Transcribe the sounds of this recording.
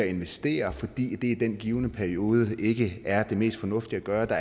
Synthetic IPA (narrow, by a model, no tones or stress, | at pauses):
æe̝nʋesd̥e̝̰ːɐfɒ̽d̥ḭːd̥e̝id̥en̰ɡ̥iːʊnəpʰæɐio̝ːð̞ˠəʔe̝ɡ̥əæɐd̥e̝me̝̰ːsd̥fɒ̽nɔ̽fd̥iæɡ̥ɶːɐd̥ɑ̈